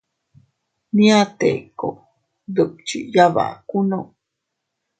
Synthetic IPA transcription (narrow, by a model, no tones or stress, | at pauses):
niat̪ḛko̰ | d̪əp̚t͡ʃḭʔjaβa̰ʔkuno